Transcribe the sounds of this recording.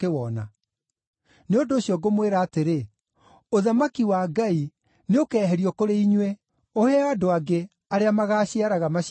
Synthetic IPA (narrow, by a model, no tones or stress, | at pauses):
kewɔna | neondoːɕjɔɡomweɾaːteɾe | oðamakiwaɡai | neokɛːɦɛɾiɔkoɾeiɲwe | ohɛadoaɡe | aɾeamaɣaːɕiaɾaɣama